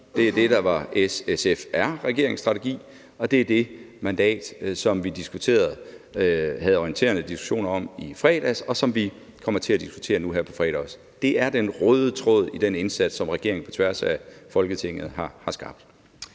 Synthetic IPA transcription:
d̥e̝æd̥e̝ɾ̥ɑ̈ʋɑ̈sesefæɐ̰ʁɛɡ̥e̝ɐe̝ŋsd̥ʁɑ̈t͡sʰe̝ɡ̥ḭː | ɒ̽d̥e̝æɐd̥e̝mænd̥ɛ̰ːd̥sɒ̽mʋid̥isɡ̥ut͡sʰe̝̰ːɐð̞̩ˠ | hæð̞̩ˠɒiənt͡sʰe̝̰ːɐnəd̥isɡ̥u̥ɕo̝̰ːnɐɒ̽mifʁɛ̰ːd̥æsɒ̽sɒ̽mʋi | kʰɒ̽m̰ɐt͡sʰe̝læd̥isɡ̥u̥t͡sʰe̝̰ːɐnuɦæɐ̰pʰɒ̽fʁɛ̰ːɾ̥æs | d̥e̝ʔæɐd̥enʁɔːðˠət͡sʰʁɔ̰ð̞̰ˠid̥ene̝nsæd̥sɒ̽mʁɛɡ̥e̝ɐeŋ̩pʰɒ̽t͡sʰʋæɐsæfɒ̽lɡ̥ət͡sʰe̝ŋ̰ð̩ˠɦɑ̈hɑ̈sɡ̥ɑ̈b̥̚d̥

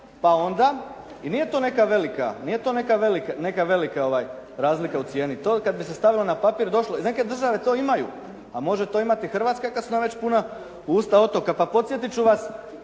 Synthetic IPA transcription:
pao̞nd̪a | inije̞t̪o̞ːne̞kaʋe̞lika̰nije̞t̪o̞ne̞kaʋelikane̞kaʋe̞likao̞ʋajɾaːzlikaut̪sje̞ːnit̪oːkad̪bise̞st̪aʋilonapapiːɾd̪o̞ʃlo̞ine̞ke̞d̪r̩ʒaʋe̞t̪o̞ːimajṵ | amo̞ʒet̪o̞ːimat̪ixr̩ʋat̪skakasunamʋe̞t͡ɕpuna | uːst̪ao̞t̪o̞kapapo̞t̪sje̞t̪it͡ɕuʋas

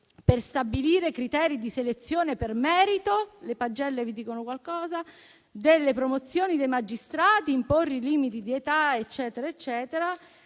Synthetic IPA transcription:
perst̪abiliːɾekɾit̪ɛːɾid̪iselet̪sːjoːnepermɛːɾit̪olepad͡ʒːɛlːevid̪iːkonokwalkɔːza | d̪elːepɾomot̪sːjoːnid̪ejmad͡ʒːist̪ɾaːt̪iːmporːeliːmit̪id̪iet̪aet͡ʃːɛːt̪eɾaet͡ʃːɛːt̪eɾa

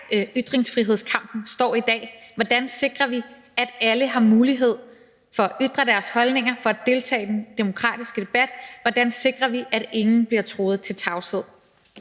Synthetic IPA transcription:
yd̥ʁe̝ŋsfʁiɦe̝ð̞̰ˠskʰɑ̈m̰b̥n̩sd̥ɒ̰ːid̥ɛ̰ːʋɒd̥ænse̝ɡ̥ʁɐʋi | æd̥æləɦɑ̈muːliɦe̝ð̞̰ˠ | fɒ̽æʔyd̥ʁɐd̥æɐshɒ̽lne̝ŋɐfɒ̽æd̥e̝lt͡sʰɛ̰ːɪd̥end̥e̝mo̝kʰʁɑ̰̈ːd̥isɡ̥əd̥e̝b̥æd̥ʋɒd̥ænse̝ɡ̥ʁɐʋiʔæɾ̥e̝ŋn̩b̥liɐt͡sʰʁo̝ːð̞̩ˠt͡sʰe̝lt͡sʰɑ̈ʊse̝ð̞̰ˠ

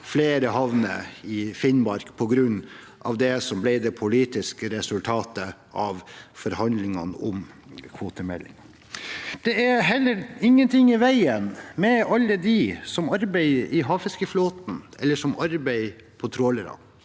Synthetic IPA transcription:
fleːɾəhɑʋnə̰ɪfɪnbɑɾkpʰɔɡɾʉnː | ʔɑ̰ʋd̪ɛsɔmblæɪd̪ɛpʰʊliːt̪ɪskəɾɛsʉlt̪ʰɑːt̪ə | ɑʋfɔɾhɑnd̪lɪŋɑnɔm | kʰʋoːt̪əmɛ̰lːɪ̰ŋ | d̪̥ɛæɾɦɛlːəɾɪŋːənt̪ʰɪŋːɪʋæɪənmɛɑlːəd̪isɔmɑɾbæɪɪɦɑːfɪskəfloːt̪n̩ʔɛlːəʂɔmɑɾbæɪ | pʰɔt̪ʰɾoːləɾɑ̰n

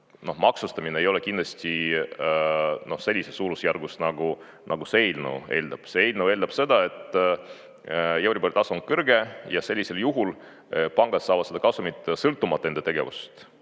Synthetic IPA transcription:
no̞hmɑksust̪ɑmineejo̞le̞kind̪lɑsʲt̪i | no̞hse̞lʲːisesuːlusjærɡ̥usnɑɡ̥u | nʔɑ̰ɡ̥useejlnṵe̞̰ːld̪̥ɑb̥seejlnue̞ːld̪ɑb̥se̞d̪̥ɑe̞t̪ːˑ | jewɾipolʲt̪ɑsonŋkɤrɡe̞jɑse̞lʲːise̞ljuɦul | pɑŋɡ̥ɑd̪sɑːvɑt̪se̥ɑkɑsumit̪ːˑsɤlt̪ːˑumɑt̪ːˑend̪et̪e̞ɡ̥e̞̰vṵst̪

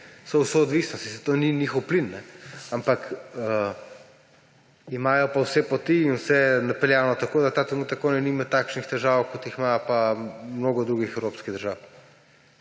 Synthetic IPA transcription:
sɔwsɔːd̪ʋisnɔst̪isɛt̪oniniːxɔwplinːɛampakə | imaːjɔpawsɛpɔt̪iːnwsɛnapɛljaːwnɔt̪akoːd̪at̪aːt̪ɾɛnuːt̪ɐkːonɛnimɛt̪ːakʃnixt̪ɛʒawkɔt̪jiximapamnoːɡɔd̪ɾuːɡixɛwɾoːpskiɣd̪əɾʒaw

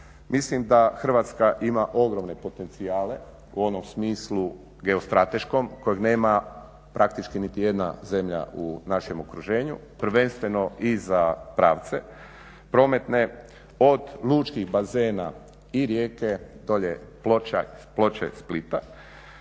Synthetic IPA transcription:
mislimd̪axr̩ʋat̪skaʔimaʔo̞ɡɾo̞mne̞po̞t̪e̞nt̪siaːle̞ | uo̞nomsmiːslˠu | ɡe̞ost̪ɾat̪e̞ʃko̞mko̞jeɡne̞ːma | pɾʔak̚t̪it͡ʃkinit̪ije̞d̪na̰ze̞mʎa̰unaʃe̞mokɾuʒe̞ːɲṵpr̩ʋe̞nst̪ʋe̞no̞izapɾaːʋt̪se̞ | pɾo̞ːme̞t̪ne̞ | o̞d̪luːt͡ʃkixbazeːna | iɾje̞ːke̞d̪o̞ʎeplo̞t͡ʃa̰plo̞t͡ʃḛsplit̪a

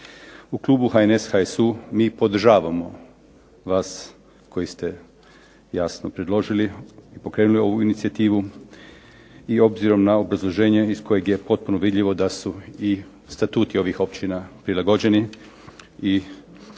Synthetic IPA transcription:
uklˠuːbuxaeneshaesumiːpo̞d̪r̩ʒaːʋamo̞ | ʋaːs | ko̞jist̪e̞ | jasnopɾed̪lˠo̞ʒiliipo̞kɾe̞ːnulio̞ʋuinit̪siat̪iːʋu | io̞bziɾo̞mnao̞bɾazlˠo̞ʒe̞ːɲe̞isko̞jeɡje̞po̞t̪̚punoʋid̪ʎiʋo̞d̪asui | st̪at̪uːt̪io̞ʋixo̞p̚t͡ɕinapɾilaɡo̞d͡ʑe̞ni | i

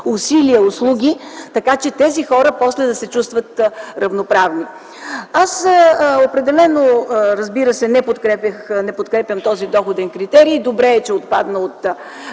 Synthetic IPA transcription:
usiliəʊslˠuɡʲit̪ɐkat͡ʃɛt̪ɛzixɔɾəpɔslɛd̪ɐsɛt͡ʃust̪vət̪ɾɐvnopɾavni | asopɾɛd̪ɛlɛnoɾəzbiɾəsɛnɛpot̪kɾɛpʲjəxnɛpot̪kɾɛpʲjəmt̪ɔzid̪ɔxod̪ɛnkɾit̪ɛɾiːd̪obɾɛːt͡ʃɛot̪̚pad̪nəot̪

